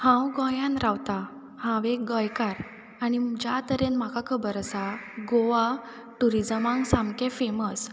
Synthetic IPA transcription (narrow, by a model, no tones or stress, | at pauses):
hãwɡɔ̃jãnɾawt̪a | hãʋek̚ɡɔ̃jkaɾ | anid͡ʑat̪əɾenm̤akakʰəbəɾəsaɡoʋa | ʈuɾid͡zəmãŋɡsãmkẽfeməs